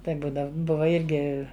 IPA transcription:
ˈtɐɪ ˈbuːdɐw ˈbʊʋɐ ˈɪrʲɡʲɪ

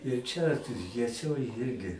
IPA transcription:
ɪr ˈt͡ʃʲɛ jiɛˈsʲoːj ˈjɪrʲɡʲɪ

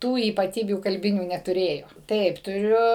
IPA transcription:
ˈtuː iːpɐˈtʲiːbʲuː kɐlʲˈbʲɪnʲuː nʲɛtʊˈrʲeːjoː ˈtɐɪp tʊˈrʲʊ

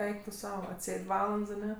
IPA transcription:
ˈɛɪk tʊ ˈsɐʊ ɐtʲˈsʲeːtʲ ˈʋɑːlˠɐnts ɐˈnʲɛ

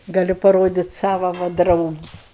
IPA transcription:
ɡɐˈlʲʊ pɐˈroːdʲɪtʲ ˈsɑːʋɐ ʋɐ ˈdrɐʊɡʲɪsʲ

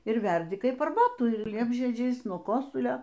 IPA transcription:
ɪr ˈʋʲɛrʲdʲɪ ˈkɐɪp ɐrˈbɑːtuː ɪr ˈlʲiɛbʲʒʲiɛd͡ʒʲɛɪs nuɔ ˈkoːsʊlʲoː

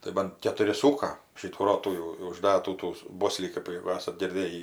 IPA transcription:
tɐɪ ˈbɐn kʲɛtʊˈrʲɪ ˈsuːkɐ ˈʃʲiːtuː ˈroːtuː jɛʊ jɛʊ ʊʒˈdɑːtuː tuː ˈboːsʲlʲiː ˈkɜp jɛɡʊ ˈæːsɐt ɡʲɪrʲˈdʲeːjiː

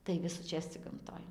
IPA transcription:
tɐɪ ʋʲɪsuːˈt͡ʃʲeːs t͡sʲɪk ɡɐmˈtoːj

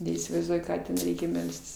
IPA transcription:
nʲɛiːsʲɪʋɐɪzˈduɔjʊ ˈkɑː tʲɛn ˈrʲɛɪkʲɛ ˈmʲɛlʲsʲtʲɪs

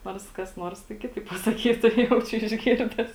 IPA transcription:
ˈnoːrs kɐs ˈnoːrs tɐɪ ˈkʲɪtɐɪp pɐsɐˈkʲiːtʊ ˈjɛʊt͡ʃʲʊ ɪʒʲˈɡʲɪrʲdʲɛs

